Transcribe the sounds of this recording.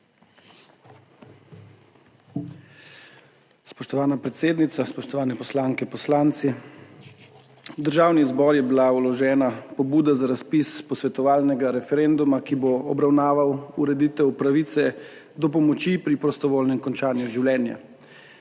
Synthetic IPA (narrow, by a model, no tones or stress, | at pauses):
spɔʃt̪ɔʋaːnapɾɛt̪seːd̪nit̪saspɔʃt̪ɔʋaːnɛpɔslaːŋkɛpɔslaːnt̪si | d̪əɾʒaːwnizbɔɾjɛbilaulɔʒɛːnapɔbuːd̪azaɾaspispɔsʋɛt̪ɔʋaːlnɛɡaɾɛfɛɾend̪umakiboɔbɾawnaːʋawuɾɛd̪it̪ɛwpɾaʋiːt̪sɛ | d̪ɔpɔmɔt͡ʃipɾipɾɔst̪ɔʋoːlnɛmkɔnt͡ʃaːnjuʒiwljɛːnja̰